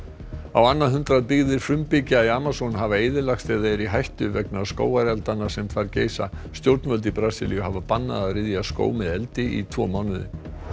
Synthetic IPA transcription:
awanːaɦʏnt̪ɾaðpɪɣðɪɾ̥fɾʏmpɪcɪaaːmasɔnɦavaejðɪlaxst̪θeːjðaɛɾiɦajht̪ʏvɛknʏasko̰ːwaɾjalt̪anːasɛmfaɾceːjsa | st̪jowɾt̪nvœlt̪ɪpɾaːsilḭjʏɦavapanːa̰ðaɾɪðjasko̰ːwmɛðɛlt̪ɪḭt̪ʰvɔ̰ːmawnʏðɪ̰

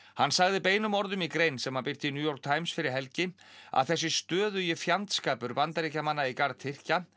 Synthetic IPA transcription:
hanːsaɣðɪpeːjnʏmɔɾðʏmikɾejnsɛmhapɪr̥t̪ɪinjuːjɔɾk̚t̪ʰaːjmsfɪɾɪɾ̥ɦɛlcɪ | a̰ðθɛsːɪst̪œːðʏjɪfjant̪skaːpʏɾpant̪aɾicamanːaikaɾt̪θʰɪr̥ca

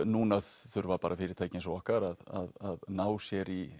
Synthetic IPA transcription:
nuːnaðθʏɾvaɾpaːɾafɪːɾɪɾt̪ʰaːjcɪnsɔɔhkaɾaða̰ðaðnaːwsjɛɾi

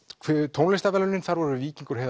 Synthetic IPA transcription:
kʰvɛt̪ʰownlɪst̪avɛlʏnːɪnθaɾvɔɾʏviːciŋkʏɾ̥ɦɛ

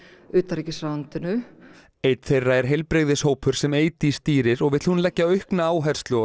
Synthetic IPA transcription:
ʏːt̪aɾɛcɪsaant̪ɪnʏ | ejt̪θejrːaɛɾ̥ɦejlpɾɪɣðɪshoːwpʰʏɾ̥sɛmeːjt̪ɪist̪iːɾɪɾɔɣvɪɾt̪hunlɛcːaœɥhknaaːwɦɛɾ̥st̪lɔ

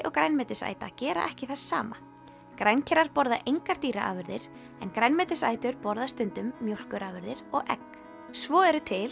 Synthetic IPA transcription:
ʔɔɣkɾajnmɛːt̪ɪsa̰ːjt̪a̰cɛːɾa̰ʔɛhcɪθasːa̰ːma | kɾajncʰɛɾaɾpɔɾðaʔejŋkaɾ̥t̪iːɾaʔa̰ːvʏɾðɪɾ̥ | ɛnkɾajnmɛːt̪ɪsa̰ːjt̪ʏɾpɔɾðast̪ʏnt̪ʏmːjowl̥kʏɾʔaːvʏɾðɪɾ̥ɔɣʔɛ̰k | svɔːɛɾʏt̪ʰɪl

